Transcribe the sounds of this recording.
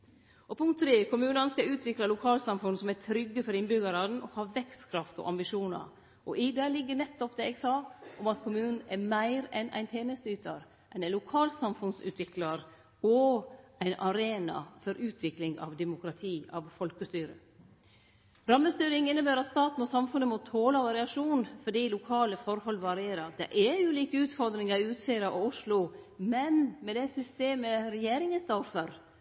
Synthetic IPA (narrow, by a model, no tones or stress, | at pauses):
ɔpʊŋkt̪ʰːɾeːkʰʊmʉːnɑnskɑʉːt̪ʰʋɪklɑlʊkʰɑːlsɑmfʉnsɔmæt̪ʰɾʏɡːəfɔɾɪnbʏɡɑɾɑd̪n̩ɔkhɑːʋɛkst̪kʰɾɑft̪ɔ̰ʔɑmbɪʂuːnɑ̰ | ʔɔʔɪd̪ɛːlɪɡːənɛt̪ːɔp̚d̪ɛːɛɡsɑːʔɔmɑt̪kʰʊmʉːnn̩ɛmæɪɾɛnʔæ̰ɪnt̪ʰeːnəst̪əyːt̪ɑɾ | ʔɛnɛnlʊkʰɑːlsɑmfʉnsʉ̰ːt̪ʰʋɪklɑɾ | ɔæɪnʔɑɾeːnɑ̰fɔɾʉːt̪ʰʋɪklɪŋɑ̰ʋd̪ɛmʊkɾɑt̪ʰiːʔɑʋfɔlkəst̪yːɾə̰ | ɾɑmːəst̪yːɾɪŋɪnːəbæːɾɑt̪st̪ɑːt̪n̩ɔsɑmfʉnːəmɔt̪ʰoːlɑʋɑɾɪɑʂuːnfɔɖiːlʊkʰɑːləfɔɾhɔlːʋɑɾeːɾəɑd̪ɛ̰ʔɛjʊliːkəʉːt̪fɔɾd̪ɾɪŋəɾʉːt̪siːəɾɑʔɔʊʂlʊmɛnmɛd̪ɛsʏst̪eːməɾɛjeːɾɪŋəst̪ɑfəɾ